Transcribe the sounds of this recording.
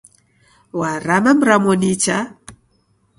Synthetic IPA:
waɾamamuɾamɔnit͡ʃa

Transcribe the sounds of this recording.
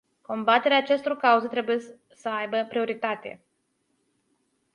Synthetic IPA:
ko̞mbat̪e̞ɾeaːt͡ʃe̞st̪o̞rkauzet̪ɾe̞buje | səajbəpɾio̞ɾit̪at̪e̞̰

